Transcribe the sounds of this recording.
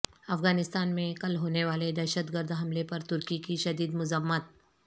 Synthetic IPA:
ɐfɡaːnɪst̪aːnmẽkɐlɦoːneʋaːled̪ɛːʃət̪ɡəɾd̪ʱɦɐmlepɐɾt̪ʊɾkikiʃɐd̪iːd̪mʊzəmːət̪̚

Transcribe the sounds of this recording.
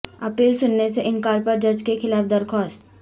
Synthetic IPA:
ɐpiːlsʊnːeseʔɪnkaːɾpɐɾd͡ʒɐɾd͡ʒkexʰɪlaːfd̪ɐɾkʰɔːst̪

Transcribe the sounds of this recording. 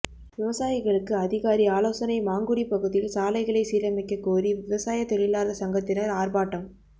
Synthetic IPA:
ʋɪʋɐsaːjɪɣɐɭɯkːɯɐðɪɣaːɾiaːloːsɐnɐɪmaːŋɡɯɽipɐɣɯðɪjɪlsaːlɐɪɣɐɭɐɪsiːɾɐmɪkːɐkːoːriʋɪʋɐsaːjɐt̪ɔɭɪlaːɾðɐsɐŋɡɐt̪ːɪnɐɾaːrbaːʈːɐm

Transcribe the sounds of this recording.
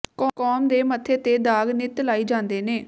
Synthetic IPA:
kɔkɔːmd̪eːmət̪ʰːeːt̪eːd̪aːɡnɪt̪laːiːd͡ʒãːnd̪eːneː

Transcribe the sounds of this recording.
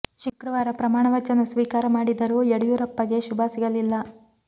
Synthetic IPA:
ʃukɾɐʋaːɾɐpɾɐmaːɳɐʋɐt͡ʃɐnɐsʋiːkaːɾɐmaːɽid̪ɐɾueɽujuːɾɐpːɐɡe̞ʃubʱaːsiɡɐlilːɐ

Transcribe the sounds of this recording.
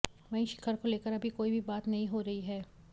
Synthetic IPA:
ʋɐɦĩʃɪ̥kʰəɾkoleːkəɾɐbʱikoːibʱibaːt̪nɐɦĩɦoɾɐɦiɦɛː

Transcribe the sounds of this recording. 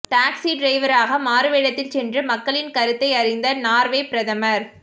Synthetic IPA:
ʈaːksiɖɾɐɪʋɐɾaːɣɐmaːɾɯʋeːɽɐt̪ːɪlsɛndrɯmɐkːɐɭɪnkɐɾɯt̪ːɐɪɐɾɪnd̪ɐnaːɾʋeːpɪɾɐðɐmɐɾ

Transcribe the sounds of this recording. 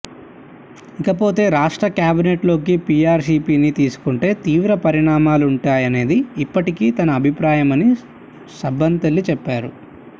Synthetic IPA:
ikɐpo̞ːt̪e̞ːɾaːʂʈɾɐkjaːbineʈlo̞ːk̬ipiːaːɾsiːpiːnit̪iːsu̥kuɳʈe̞ːt̪iːʋɾɐpɐɾiɳaːmaːluɳʈaːjɐne̞ːd̪iːpːɐʈikiːt̪ɐnɐːbʱipɾaːjɐmɐni | sɐbɐnt̪ɐlːit͡ʃɛpːaːɾu

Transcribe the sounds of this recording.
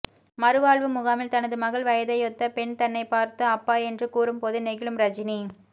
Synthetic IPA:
mɐɾɯʋaːɭʋɯmʊɣaːmɪlt̪ɐnɐðɯmɐɣɐɭʋɐjɐðɐɪjɔt̪ːɐpɛnt̪ɐnːɐɪpaːɾt̪ɯɐpːaːɛndrɯkuːɾɯmpoːðɯnɛɣɪɭɯmɾɐd͡ʒɪni

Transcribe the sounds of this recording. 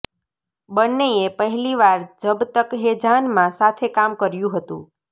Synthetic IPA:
bənːeepəɦɛliʋaɾd͡ʒəbt̪əkɦed͡ʒʱanmãsat̪ʰekamkəɾjũɦət̪ṵ̃

